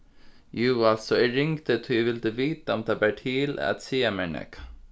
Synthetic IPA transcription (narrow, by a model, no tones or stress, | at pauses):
jʉːalt̪sɔɛɾɪŋt̪ət̪ʰujɛvɪld̪əviːt̪aɔmt̪ʰaːbæʈʰila̰t̪siːamɛnɛ̰k